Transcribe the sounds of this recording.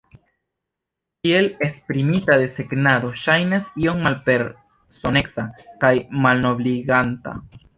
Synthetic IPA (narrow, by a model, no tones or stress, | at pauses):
kielespɾimit̪aðe̞seɡnaðo̞ʃajnasioŋmalpeɾ | so̞neksakajmalno̞βliɣant̪a̰